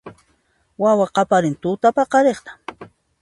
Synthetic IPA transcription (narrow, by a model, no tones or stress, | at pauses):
wawaqɑpaɾɪnt̪ʊt̪apɑqɑɾeχt̪ḁ